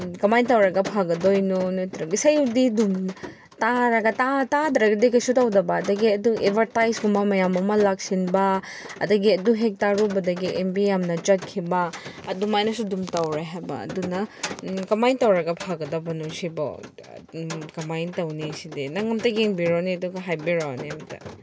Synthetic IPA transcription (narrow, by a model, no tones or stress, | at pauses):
kɐmajntɐwɾɐɡɐpʰaɡɐdojnonotɾɐɡisɐjudidum | taɾɐɡɐtatadɾɐɡidikɐjsutawdɐbɐːdɐɡiɐduʔebʱɐɾtajsɡumamɐjamɐmɐlak̚sinbɐɐ̰dɐɡiɐduɦek̚taɾubɐdɐɡiʔembijamnɐt͡ʃɐt̚kʰːibɐɐdumajnɐsudumtawɾaɦajbɐ̰ːdunɐkɐmajntɐwɾɐɡɐpʰaɡɐdɐbɐnusibɔ̰ | kɐmajntɐwnisidinɐŋɡɐmtɐɡeŋbiɾoniɐduɡɐɦajbiɾanimɐtɐ̰